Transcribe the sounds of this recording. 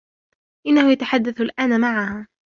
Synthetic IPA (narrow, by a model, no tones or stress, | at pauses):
ʔɪnːahʊjat̪aħad̪ːaθʊlʔaːnamaʕahaː